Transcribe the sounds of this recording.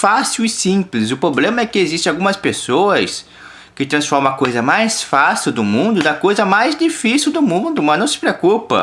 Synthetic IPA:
fasiwɪsĩplɪz̬ʊpɾoblẽmɐɛkɪezist̪ẽawɡũmɐspesoɐs | kɪt̪ɾɐ̃sfɔɾmɐ̃akojzɐmajsfasiwd̪ʊmũnd̪ʊd̪ɐkojzɐmajzd͡ʒifisiwd̪ʊmũd̪ʊmɐ̃nɐ̃w̃sɪ̥pɾeokupɐ̰

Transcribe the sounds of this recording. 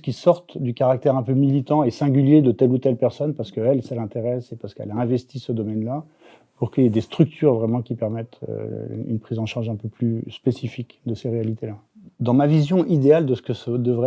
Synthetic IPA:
ə̥kʲisɔʁt̪d̪ykaʁak̚t̪ɛʁɛ̃pømilit̪ɑ̃esɛ̃ɡʲyljed̪ət̪ɛlut̪ɛlpɛʁsɔnpaʁsə̥kəɛlsalɛ̃t̪eʁɛsepaʁsə̥kɛ̰laɛ̃vɛst̪isəd̪ɔmɛnla | puʁkəjɛd̪est̪χyk̚t̪ʰyʁvʁɛmɑ̃kʲipɛʁmɛt̪ʰø̰y̰npχizɑ̃ʃaʁʒɛ̃pøplyspesifikd̪əseʁealit̪ela | d̪ɑ̃mavizjɔ̃ʔid̪eald̪əsə̥kəsəd̪əvʁɛ

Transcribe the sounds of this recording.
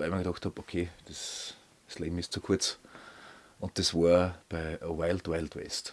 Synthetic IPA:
aɪməɡɪdɑxthɑpokʰeːd̥es | sleːbm̩ɪst͡sukʰuɐt͡s | ʔʊ̃nt̚d̥esʋɑːɐb̥æɪəwaɪltwaɪltwɛ̰st

